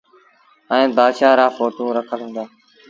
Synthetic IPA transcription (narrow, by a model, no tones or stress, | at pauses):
ɛ̃ːbaːd̪ʃaːɾaːfoːt̪ũːɾəkʰəlɦʊ̃ːnd̪aː